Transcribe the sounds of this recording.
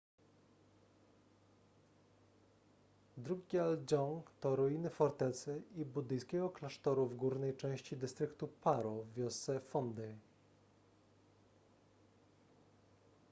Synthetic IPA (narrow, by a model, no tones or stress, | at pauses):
d̪ɾuɡʲiald͡ʑɔŋkt̪ɔɾɔjinɘfɔɾt̪ɛt̪sɘibud̪ɘjskʲɛɡɔklaʂt̪ɔɾuvɡuɾnɛjt͡ʂɛ̃w̃ɕt͡ɕid̪ɘst̪ɾɘkt̪upaɾɔvːʲjɔst̪sɛfɔnd̪ɛj